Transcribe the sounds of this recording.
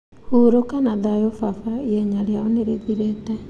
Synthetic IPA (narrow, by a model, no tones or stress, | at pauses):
huɾokanaðajofafaiɛɲaɾjaɔneɾeðiɾeːtɛ